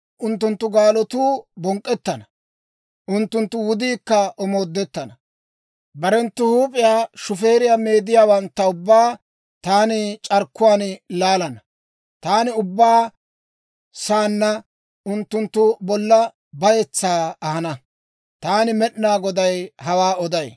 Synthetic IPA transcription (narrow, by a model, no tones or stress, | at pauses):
ʔʊnt̪ːʊnt̪ːʊɡaːlɔt̪uːbɔŋkʼːɛt̪ːɐnɐ | ʔʊnt̪ːʊnt̪ːʊwʊd̪iːkːɐɔmoːd̪ːɛt̪ːɐnɐ | bɐɾɛnt̪ːʊhuːpʼɪjaːʃʊfe̞ːɾɪjame̞ːd̪ɪjaːwɐnt̪ːɐʊbːaː | t̪aːnɪt͡ʃʼɐɾkːʊwaːnlaːlɐnɐ | t̪aːnɪʊbːaː | saːnːɐ | ʊnt̪ːʊnt̪ːʊbɔlːɐ | bɐjɛt͡sːaːɐhɐnɐ | t̪aːnɪmɛɗnaːɡɔd̪ɐjhɐwaːɔd̪ɐj